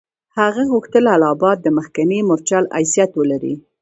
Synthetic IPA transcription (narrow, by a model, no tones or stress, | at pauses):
haɣaɣuxt̪əlalɑbɑt̪̚d̪əməxkanemʊɾt͡ʃala̰jsijat̪wəlaɾḭ